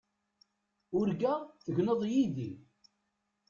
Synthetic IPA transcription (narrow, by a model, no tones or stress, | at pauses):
ʊɾɡæθəʝnəðˤjiði